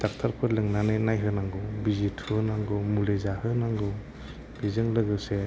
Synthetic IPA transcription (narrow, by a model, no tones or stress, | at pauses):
d̥ak̚tʰaɾpʰɯɾlɯŋnanɯjnajɦɯnaŋɡɯwbizitʰunaŋɡɯmulezahɯnaŋɡɯw | bizɯŋlɯɡɯse